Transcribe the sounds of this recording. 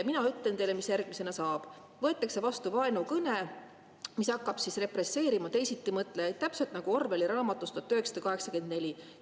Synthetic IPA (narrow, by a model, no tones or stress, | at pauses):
minɑyt̪lent̪e̞jlemisjærɡ̥mise̞nɑsɑːb̥ | vɤet̪ːˑɑkse̞vɑst̪uvɑenukɤne | misɑkːɑb̥sisre̞pre̞sːe̞ːɾimɑt̪e̞jsit̪ːimɤt̪ːˑleet̪t̪æpse̞lt̪nɑɡ̥uo̞rve̞liɾɑːmɑt̪ːˑust̪uɑt̪ːˑøɦeksɑ̥d̪ɑkɑɦe̞ksɑke̞nd̪̚ne̞lʲi